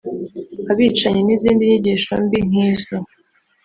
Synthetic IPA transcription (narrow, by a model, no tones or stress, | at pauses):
aβiːt͡ʃaɲeniziːndiɲiɟiʃo̰mbiŋ̥iːzo